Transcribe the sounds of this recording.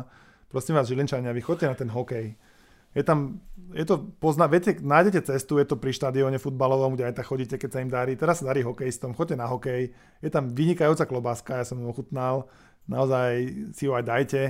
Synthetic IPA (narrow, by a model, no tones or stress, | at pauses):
pɾɔsimʋaːzʒilint͡ʃaɲɪaʋixɔc̚cɛnat̪ɛnɦɔkɛj | jɛt̪amjɛt̪ɔpɔznaʋɛcɛnaːjɟɛcɛt͡sɛst̪ujɛt̪ɔpɾiʃt̪ad̪iɔɲɛfud̪̚balɔʋɔmɡɟɛajt̪akxɔɟiːcɛkɛcsaimd̪aɾiːt̪ɛɾasːad̪aɾiːɦɔkɛjist̪ɔmxɔɟ̚cɛnaɦɔkɛj | jɛt̪amʋiɲikajuːt͡saklɔbaskajasɔmmɔxut̪nal | naɔzajsiɦɔajd̪ajcɛ